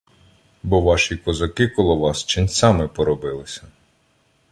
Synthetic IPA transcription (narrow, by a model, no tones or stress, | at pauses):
bɔʋɑʃikɔzɐkɪkɔlˠɔʋɑst͡ʃɪnʲsɑmɪpɔɾɔbɪlˠɪsʲɐ